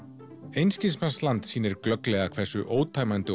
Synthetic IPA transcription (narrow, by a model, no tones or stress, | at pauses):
ejnscɪnsmanslant̪siːnɪɾklœklɛːɣakʰv̥ɛsʏ̰ʔoːwt̪ʰaːjmant̪ɪ